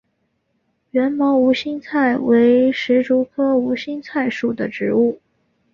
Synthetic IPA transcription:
ɥɛ˧˥nmɑ˧˥ʊu˧˥ɕi˥ŋt͡sʰa˥˩ɪwe˧˥ɪʂɻ̩˧˥ʈ͡ʂu˧˥kʰɤ˥u˧˥ɕi˥ŋt͡sʰa˥˧ɪʂu˥˩d̪ə˩ʈ͡ʂɻ̩˧˥u˥˩

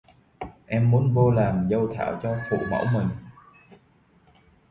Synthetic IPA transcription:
ʔɛ˧mːu˨˦ənvo˧laː˨˩mzə˧wt̪ʰa̰ː˧˩wt͡ɕɔ˧fṵ˧˨mə̰˧˥wmï˨˩ŋ̟

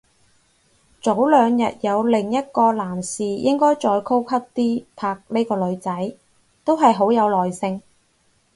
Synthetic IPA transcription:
t͡so˨˥wlœː˨˧ŋjɐ̰˨t̚jɐ˨˧wlɪ˨˩ŋjɐ˥t̚kɔː˧laː˨˩msiː˨jʔɪ˥ŋkɔː˥jt͡sɔː˧jkʰo˥wkʰɐ˥p̚t̪iː˥pʰaː˧k̚ne˥jkɔː˧lɵ˨˧ɥt͡sɐ˨˥j | t̪o˥wɦɐ˨jɦo˨˥wjɐ˨˧wlɔː˨˩jsɪ˧ŋ

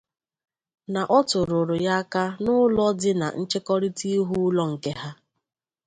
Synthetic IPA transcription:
na˨ʔɔ˦tʊ˨ɾʊ˨ɾʊ˨ja˦ka˦nʊ˦lɔ˦dɪ˦na̰˨n̩˦t͡ʃɪ˦kɔ˦ɾi˦ti˦ɦu˦lɔ˦ŋ̩˨ke˦ɦa˦

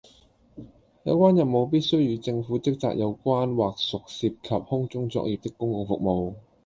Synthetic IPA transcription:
jɐ˨˧wkʷwaː˥njɐ˨pmo˨˧wp̬iː˥t̚sɵ˥ɥjiː˨˧wt͡sɪ˧ŋfuː˨˥t͡sɪ˥k̚t͡sa̰ː˨k̚jɐ˨˧wkʷaː˥nwaː˨˩k̚sʊ˨k̚siː˧p̚kʰɐ˨p̚hʊ˥ŋt͡ʃʊ˥ŋt͡sɔ̰ː˧k̚jiː˨p̚t̪ɪ˥kːʊ˥ŋkʊ˧ŋfʊ̰˨k̚mo˨˧w

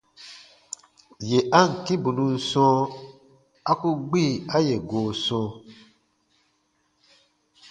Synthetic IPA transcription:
je˨ʔa˦ŋ̩˨kĩ˦bu˨nũ˦n̩˨sɔ̃ː˦ | a˦ku˦ɡ͡bi˦˨a˦je˨ɡoː˨sɔ̃ː˦

